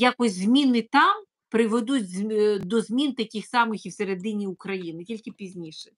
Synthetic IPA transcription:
jakɔsʲzʲmʲinɪt̪ɑm | pɾɪʋed̪utʲzd̪ɔzʲmʲint̪ɐkʲɪxsɑmɪxiwseɾed̪ɪnʲiʊkɾɐjinɪtʲilʲkɪpʲizʲnʲiʃɛ

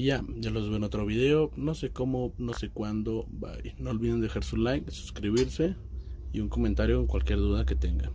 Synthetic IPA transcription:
jajalozβenot̪ɾoβið̞eonosekomonosekwand̪oba̰jnoolβiðend̪exaɾsulajksu̥skɾiβiɾse | iuŋkoment̪aɾjoeŋkwalkjeɾðuðaket̪eŋɡa̰

